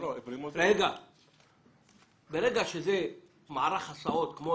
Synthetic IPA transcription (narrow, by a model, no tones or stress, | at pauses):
oevɾimɾeɡa | beɾeɡaʃeze | maʕaɾaχasaʔot̪kmo